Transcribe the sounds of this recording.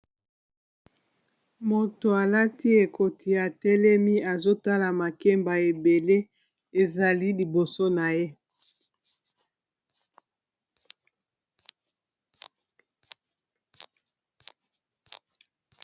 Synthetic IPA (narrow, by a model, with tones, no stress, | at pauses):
mo˨to˨a˨la˦ti˦e˨kʰo˨tʰi˨a˨tɛ˦lɛ˦mi˦a˨zo˦ta˦la˨ma˨ke˦mba˨e˨be˨le˦ | e˨za˨li˦li˨bo˨so˦na˨je˦